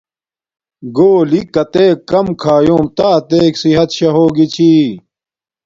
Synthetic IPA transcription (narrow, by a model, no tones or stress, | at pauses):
ɡoːlikɐt̪eːkːɐmkʰaːjoːmt̪aːt̪eːksiɦɐt̪ɕɐɦoːɡit͡ɕʰiː